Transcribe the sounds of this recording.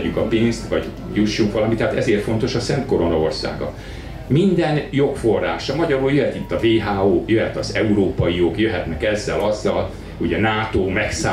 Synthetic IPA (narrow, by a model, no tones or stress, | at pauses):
ykɒpinst̪ʋɒɟ | juʃːuŋkʋɒlɒmit̪ːɛɦaːt̪ɛzeːrt̪fo̞nt̪o̞ʃɒsɛnt̪̚ko̞ɾo̞nɒo̞rsa̰ːɡɒ̰ | mind̪ɛnjo̞kfo̞rːa̰ːʃɒmɒɟɒɾuljøɦɛt̪it̪ːɒveːɦaːoːjøɦɛt̪ɒzɛuɾoːpɒjijoɡjøɦɛt̪nɛkɛzːɛlɒzːɒl | uɟɛnaːt̪oːmɛksa